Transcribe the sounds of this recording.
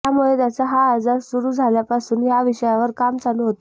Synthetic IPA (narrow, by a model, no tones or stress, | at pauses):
amuɭet̪jat͡saɦaːd͡zaɾsuɾuːd͡zʱaljapasuːnjaʋiɕəjaʋəɾkamd͡zanuːɦot̪o